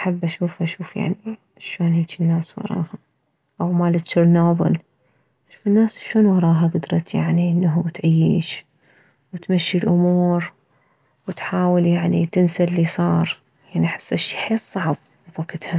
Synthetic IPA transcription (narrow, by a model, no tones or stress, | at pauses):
ʔaħabːʔaʃuːfʔaʃuːfja̰ʕni | ʃːoːnheːt͡ʃinːaːswɑ̰ɾˤɑ̰ːha | ʔawmaːlɪt̪t͡ʃːɪɾnoːbɪ̰l | ʔʔaʃuːfɪnːaːsʃːoːnwɑɾˤɑːɦaɡad̪ɾˤɑt̪ja̰ʕniʔɪnːaɦut̪ʕajːiːʃ | wɪt̪maʃːilʔʊmuːɾ | wɪt̪ħaːwɪljaʕnit̪ɪnsalːisˤɑːɾˤ | jaʕniʔaħɪ̥sːaʃiħeːtˤːɑʕb̚ | fakːɪd̪ha